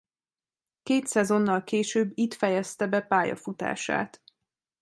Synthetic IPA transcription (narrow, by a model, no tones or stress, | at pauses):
keːt̪sɛzo̞nːɒlkeːʃøːbːit̪fɛjɛst̪ɛbɛpaːjɒ̰fut̪a̰ːʃa̰ːt̪